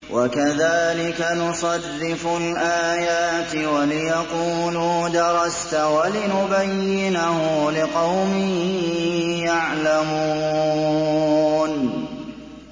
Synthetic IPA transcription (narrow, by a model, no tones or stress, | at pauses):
wʔakaðaːlɪkanʊsˤɑrːɪfʊlʔaːjaːt̪walɪjɑquːluːd̪ɑɾˤɑst̪walɪnʊbajːɪnahʊlɪqɑwmɪhɦjaʕlamu | n